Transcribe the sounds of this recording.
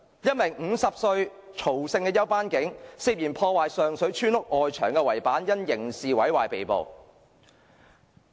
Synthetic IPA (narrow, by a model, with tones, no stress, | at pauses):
jɐ˥t̚mɪ˨˩ŋ̩˨˧˥sɐ˨p̚sɵ˧ɥ | t͡ʃʰo˨˩wsɪ˧ŋkɛː˧jɐ˥wpaː˥nkɪ˨˥ŋsiː˧p̚jiː˨˩npʰɔː˧waː˨jsœː˨ŋsɵ˨˥ɥt͡ʃʰyː˥nʊ˥k̚ʔɔː˨jt͡ʃʰœː˨˩ŋkɛː˧wɐ˨˩jpaː˨˥njɐ˥njɪ˨˩ŋsiː˨wɐ˨˥jwaː˨˩jpe˨jpo̰˨˧w